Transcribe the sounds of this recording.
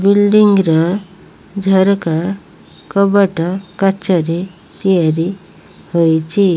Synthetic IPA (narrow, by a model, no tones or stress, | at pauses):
bilɖiŋɡɾɔ | d͡zʱəɾka | kəbəʈəkat͡ɕəɾe | t̪ijaɾi | hojt͡ɕi